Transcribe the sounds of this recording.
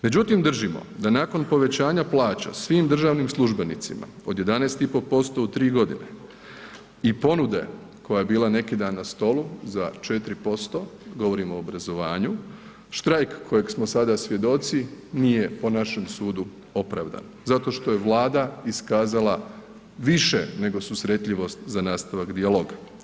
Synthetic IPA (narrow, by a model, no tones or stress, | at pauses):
me̞d͡ʑut̪imd̪r̩ʒimo̰d̪anako̞npo̞ʋe̞t͡ɕaːɲaplˠaːt͡ɕa̰sʋiːmd̪r̩ʒaːʋnimslˠuʒbe̞nḭt̪sima̰o̞d̪je̞d̪anest̪ipo̞po̞st̪oːt̪ːɾiːɡo̞d̪ine̞ | ipo̞nud̪e̞̰ | ko̞jaje̞biːlˠane̞kid̪aːnːast̪o̞luzat͡ʃe̞t̪ɾipo̞st̪o̞ɡo̞ʋo̞ɾimo̞ːbɾazo̞ʋaːɲu | ʃt̪ɾajkːʰoje̞ɡsmosad̪asʋʲje̞d̪o̞t̪siniːje̞po̞naʃe̞msuːd̪u | o̞pɾaːʋd̪a̰n | zat̪o̞ːʃt̪oje̞ʋlˠaːd̪aiskaːzala | ʋiʃene̞ɡo̞susɾe̞t̪ʎiʋo̞st̪zanaːst̪aʋakd̪ialoːɡa